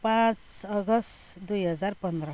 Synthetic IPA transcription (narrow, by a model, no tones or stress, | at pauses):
pãt͡sʌɡʌsd̪ujɦʌd͡zaɾpʌnd̪ɾə